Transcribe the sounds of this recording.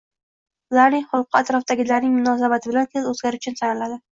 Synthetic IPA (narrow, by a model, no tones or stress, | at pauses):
ʊlaɾnɪŋχʊlˠqːɨat̪ɾɒfd̪aɡʲɪlaɾnɪŋmʊnɒs̬abat̪ʰɪbɪlant̪ʰezɵzɡʲaɾʊt͡ʃʰʊnsʰanlad̪ɪ